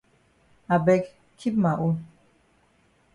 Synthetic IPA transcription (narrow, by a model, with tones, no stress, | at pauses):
a˨bɛ˦k | kʰi˦p̚ma˨ʔo˦